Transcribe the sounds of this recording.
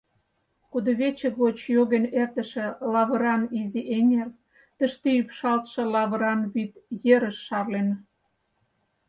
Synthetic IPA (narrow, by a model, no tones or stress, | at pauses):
kud̪ɤ̆βet͡ɕə̆kβot͡ɕjoɣenert̪ə̆ʃĕlɑβə̆ɾɑniziʔeŋer | t̪ə̆ʃt̪eypʃɑlt̪ʃɤ̆lɑβə̆ɾɑnβyt̪jeɾə̆ʃːɑrlen